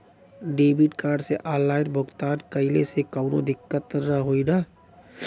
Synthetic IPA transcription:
ɖeːbiʈkaːɾɖseʔaːlːaːɪnbʱʊɡt̪aːnkəɪlesekəwɾõ̰d̪ɪkːət̪ɾaɦoːidaː

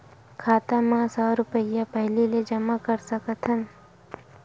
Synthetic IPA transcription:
kʰaːt̪amãsɔːɾʊpəjapɛɦliled͡ʒɐmakəɾsɐkət̪ʰən

